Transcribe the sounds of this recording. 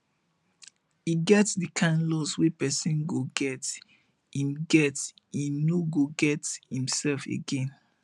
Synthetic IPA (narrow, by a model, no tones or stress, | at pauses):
iɡɛtsdikʰãnlɔswepɛsĩnɡoɡɛt | hĩmɡɛtinoɡoɡɛthĩmsɛlfḛɡẽn